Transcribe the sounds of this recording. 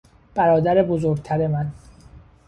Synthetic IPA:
b̥æɾɒːd̪æɾebozoɾɡ̚t̪ʰæɾe̞mæn

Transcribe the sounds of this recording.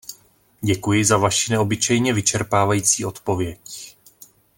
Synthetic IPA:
ɟɛkujɪzavaʃɪnɛo̞bɪt͡ʃɛjɲɛvɪt͡ʃɛɾpaːvajiːt͡siːʔo̞t̪po̞vjɛc

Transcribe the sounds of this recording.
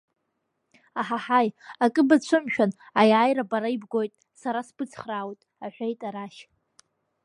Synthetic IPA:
aħaħajakʼɨbat͡ɕʷʰɨmʃᶣan | ajʕajɾabaɾaibɡo̞jtʼ | saɾasbɨt͡sʰʼχrawtʼ | aħʷᶣejtʼaɾaʃ

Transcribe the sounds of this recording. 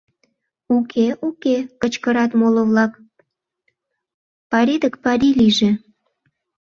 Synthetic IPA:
ukʰeʔukekət͡ɕkəɾɑt̪moləβlɑk | pɑɾid̪əkpɑɾiliʒe

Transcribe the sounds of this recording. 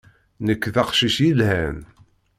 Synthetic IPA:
nəkːðɑqʃiʃjilhæn

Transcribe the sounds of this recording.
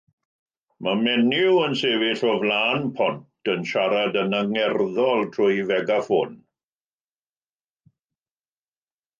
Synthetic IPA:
mamɛnɪwənseːvɪɬɔvlaːnpʰɔntʰənʃaɾadənaŋɛrðɔlˠtʰrʊjvɛɡafoːn

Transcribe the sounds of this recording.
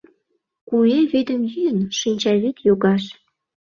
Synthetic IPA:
kueβed̪ə̆mjyjənʃinʲt͡ɕɑβik̪joɣɑʃ

